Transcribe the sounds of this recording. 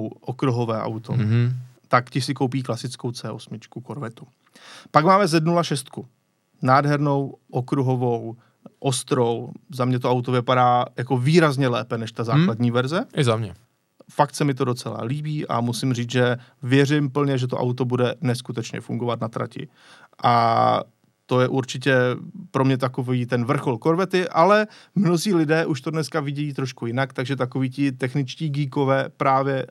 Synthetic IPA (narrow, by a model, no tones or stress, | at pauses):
wʔokɾuɦo̞vɛːʔa̰wt̪ot̪akcɪsɪko̞wp̬iːklasɪt͡sko̞wt͡sɛːʔo̞smɪt͡ʃkukoɾvɛt̪u̥ | paɡmaːmɛzɛdnulaʃɛst̪̚ku | naːdɦɛɾno̞wʔokɾuɦo̞vo̞w | ʔost̪ɾowzamɲɛt̪̬oʔawt̪ovɪpaɾaːjako̞viːɾazɲɛlɛːpɛnɛʃt̪azaːkkladɲiːvɛɾzɛʔɪzamɲɛ | fak̚t̪sɛmɪt̪o̞do̞t͡sɛla̰liːbiːʔa̰musɪmriːt͡sʒɛvjɛrɪmpl̩ɲɛʒɛt̪oʔa̰wt̪o̞budɛnɛskut̪ɛt͡ʃɲɛ̰fuŋɡo̞vat̪nat̪ɾa̰cɪ̰ | ʔa̰ | t̪o̞jɛʔuɾt͡ʃɪc̬ɛpɾo̞mɲɛt̪ako̞viːt̪ɛnvr̩xo̞lko̞ɾvɛt̪ɪʔalɛmno̞ziːlɪdɛːʔuʃt̪o̞dnɛskavɪɟɛjiːt̪ɾoʃkujɪnakt̪aɡʒɛt̪ako̞viːcɪt̪ɛxnɪt͡ʃciːɡiːkovɛːpɾaːvjɛ